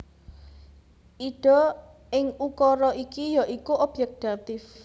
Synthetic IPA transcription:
ʔiɖ̥ɔ̤ | ɪŋukɔɾɔʔikijaʔikuʔɔb̥jɛk̚t̪at̪ɪf

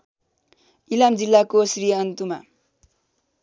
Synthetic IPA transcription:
ilamd͡zilːakosrijʌnt̪uma̰

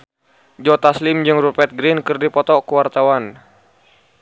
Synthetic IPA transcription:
d͡ʒɔt̪aslɪmd͡ʒɨŋrupɛt̪̚ɡɾinkɨrdipɔt̪ɔkuwart̪awan

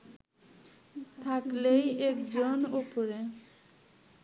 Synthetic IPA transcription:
t̪ʰaklejekd͡ʑonopoɾe

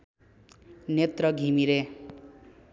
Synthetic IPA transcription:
net̪rʌɡʱimiɾe

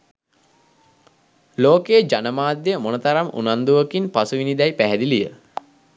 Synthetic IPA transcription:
loːkejəd͡ʒanəmaːd̪jəmonət̪aɾamṵnand̪uʋəkinpasuʋinid̪ɛjpæɦɛd̪ilijə

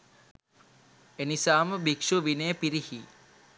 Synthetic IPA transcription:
enisaːməbikʂuʋinejpiɾihi

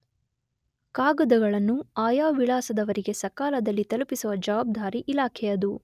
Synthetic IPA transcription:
kaːɡɐd̪ɐɡɐɭɐnːuaːjaːʋiɭaːsɐd̪ɐʋɐɾiɡe̞sɐkaːlɐd̪ɐlːit̪ɐlupisuʋɐd͡ʒɐʋaːb̚d̪ʱaːɾiʔilaːkʰɛjɐd̪u

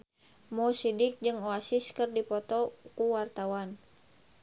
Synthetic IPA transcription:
mɔsidik̚d͡ʒɨŋɔasiskɨrdipɔt̪ɔkuwart̪awan

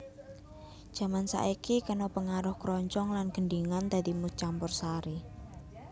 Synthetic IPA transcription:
ʒ̥a̤mansa̰ʔikikanopəŋaɾʊhkɾɔɲt͡ʃɔŋlanɡ̥əɳɖiŋant̪ad̪imut͡ʃampʊrsaɾi

